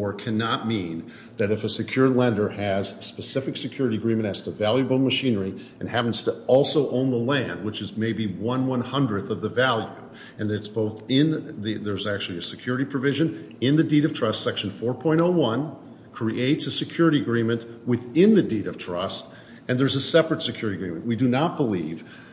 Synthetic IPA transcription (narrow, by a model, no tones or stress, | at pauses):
ɔɹkʰɨnət̚mĩn | ðɨɾɨfɨsɨkʰj̥ʊɹˡlɛ̃ndə˞ɨz̥spɨsɪfɨksɨkʰj̥ʊɹɨɾiɨɡɹĩmɨ̃ñtɨz̥tʰəvælˠjɨbl̩ˠməʃĩnə˞i | ɨ̃nhæpn̩z̥tʰəɔlˠsoʊʔõʊ̃nðəlæ̃nd̚wət͡ʃɨzmeɪbiwʌ̃nwʌ̃nhʌ̃ndɹɨðʌvðəvælˠjʉ | ɨ̃nɨtsb̥oʊθɪ̃nðiðə˞zæk̚t͡ʃʉl̩ˠiɨsɨkʰj̥ʊɹɨɾipʰɹ̥ɨvɪʒɨ̃n | ɪ̃nðɨdiɾʌv̥tʰɹ̥ʌstsɛkʃn̩fɔɹpʰɔ̃ɪ̃ɾ̃oʊwʌ̃n | kʰɹ̥iʔeɪtsɨsɨkʰj̥ʊɹɨɾiɨɡɹĩmɨ̃nʔwɨθɪ̃nðɨdiɾʌv̥tʰɹ̥ʌ̰st | ɨ̃nðə˞zəsɛpɹɨtsɨkʰj̥ʊɹɨɾiɨɡɹĩmɨ̃nʔwidɨnət̚b̥əliv̥